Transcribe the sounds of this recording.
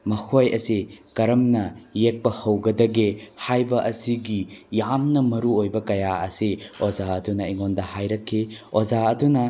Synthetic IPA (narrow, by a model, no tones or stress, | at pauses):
mɐkʰojɐsikɐɾɐmnɐjek̚pɐhɐwɡɐdɐɡehajbɐʔɐsiɡijamnɐmɐɾuojbɐkɐjaɐsiozaɐdunɐiŋondɐhajɾɐkʰːi | ozaɐdunɐ